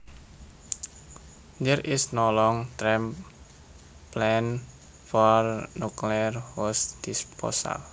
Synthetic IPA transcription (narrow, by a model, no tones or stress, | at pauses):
nəɾɪsnɔlɔŋt̪ɾɛm | plɛn | fɔrnuklirwɔsd̪̥ispɔ̰sa̰l